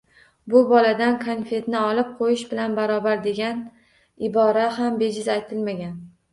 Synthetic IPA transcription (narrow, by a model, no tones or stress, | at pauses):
bʊbɒlad̪ankʰanfe̞t̪nɪɒlɪp̚qʰojɪʃbɪlanbaɾɒbaɾd̪e̞ɡʲan | ɪbɒɾaɦambe̞d͡ʒɪzajt̪ʰɪlmaɡʲan